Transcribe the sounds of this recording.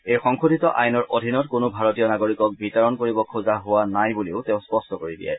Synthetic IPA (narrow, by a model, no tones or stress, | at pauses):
ejxɔŋxʰodʱitɔʔajnɔɹʔodʱinɔtkʊnʊbʱaɹotijɔnaɡoɹikɔk̚bitɔɹɔnkoɹibɔkʰuzaɦʊwanajbuleʊteʊ̃spɔstɔkoɹidḭjɛ̰